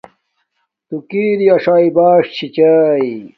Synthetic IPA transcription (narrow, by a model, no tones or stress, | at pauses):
t̪ukiːɾiɐʂaːibaːʂt͡ɕʰit͡ɕai